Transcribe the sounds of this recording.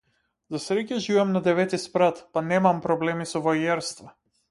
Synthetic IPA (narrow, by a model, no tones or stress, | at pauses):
zasɾɛcaʒivɛmnad̪ɛvɛt̪ispɾat̪panɛmampɾɔblɛmisɔvajɛɾst̪va